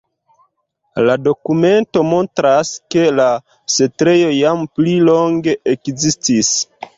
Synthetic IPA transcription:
lado̞kume̞nto̞mo̞ntɾaske̞la | setɾe̞jo̞jamplilo̞ŋɡe̞ʔekzistis

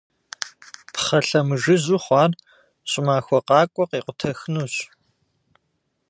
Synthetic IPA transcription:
pχɐɬɐmɨʒɨzuːχʷɑːr | ɕʼɪmaːxʷɔqɑːkʷʼɔqiːqʷʊtʰɐxnuːɕʼ

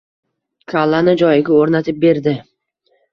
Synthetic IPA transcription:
kʲʰalːanɪd͡ʒɒjɪɡʲaoɾnat̪ʰɪp̚be̞ɾd̪ɪ

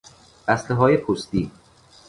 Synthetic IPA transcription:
æsleɦɒːjepʰost̪ḭː

